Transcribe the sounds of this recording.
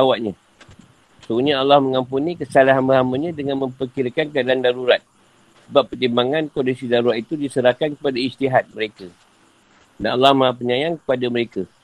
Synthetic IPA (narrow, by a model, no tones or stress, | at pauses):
awaʔɲã | səuɲãalːahmə̃ŋãmpunĩkəsalaɦanbəɦamaɲãdəŋãnmə̃mpərkiɾakankadaandaɾuɾat̪̚ | səbapːərt̪imbaŋãnkondisidaɾuɾat̪̚it̪udisəɾahkankəpadaist̪iɦat̪̚məɾeka | danalːahmə̃ap̬əɲãjaŋkə̥padaməɾeka